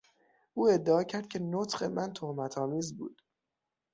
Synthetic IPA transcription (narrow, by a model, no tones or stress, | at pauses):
ʔuːe̞d̪ːeɒːcʰæɾd̪̥̚cʰe̞not̪ʰɢe̞mænt̪ʰohmæt̪ʰɒːmiːzbṵːd̪̥